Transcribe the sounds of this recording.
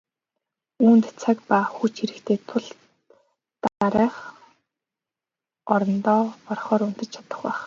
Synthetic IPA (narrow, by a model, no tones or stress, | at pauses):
uːnt̪t͡sʰakpaxut͡ɕxiɾɘ̆kt̪ʰeːt̪ʰʊɮ | t̪aɾæːχ | ɔɾɞ̆nt̪ɔːpɔrχɔːɾun̥t̪ɘ̆t͡ɕt͡ɕʰḁt̪ə̆χpæːχ